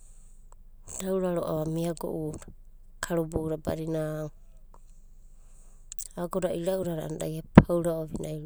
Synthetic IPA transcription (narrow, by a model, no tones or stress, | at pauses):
dawɾaɾoʔa̰βamiaɡo̰ʔuɾa | kʰaɾobouɾaba̰ɾina | aɡoɾaiɾauɾaɾaanadajapʰawɾaoβinajɾ